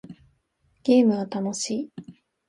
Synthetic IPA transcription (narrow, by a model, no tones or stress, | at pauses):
ɡ̥ʲe̞ːmɯ̟ɡat̪ano̞ɕiː